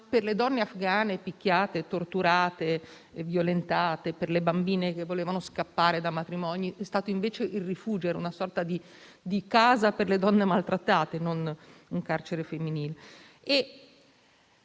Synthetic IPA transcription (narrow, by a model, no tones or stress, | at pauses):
perled̪ɔnːeafɡaːnepikʲːjaːt̪et̪ort̪uɾaːt̪e | vjolent̪aːt̪eperlebambiːnek̟evːoleːvanoskapːaːɾed̪amat̪ɾimɔniʔɛst̪aːt̪oiɱveːt͡ʃeʔilrifuːd͡ʒoɛɾunasɔrt̪ad̪i | d̪ikaːzaperled̪ɔnːemalt̪ɾat̪ːaːt̪enonuŋkart͡ʃeɾefemːiniːle | e